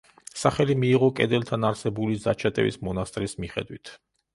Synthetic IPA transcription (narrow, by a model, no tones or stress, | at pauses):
saχɛlimiːʁɔkʼɛd̪ɛlt̪ʰanaɾsɛbulizat͡ʃʰat̪ʼɛ̰vḭsmɔnast̪ʼɾismiχɛ̰d̪wit̪ʰ